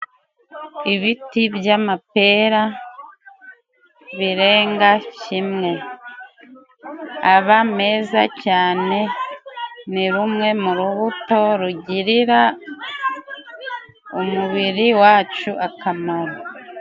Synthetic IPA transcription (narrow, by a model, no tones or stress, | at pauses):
iβitiβjamape̞ːɾa | βiɾe̞ːŋɡacimŋe̞ | aβame̞ːza̰caːne̞ | niɾumŋe̞muɾuβuto̞ɾuɟiɾiɾa | umuβiɾiwaːt͡ʃuʔakamaɾo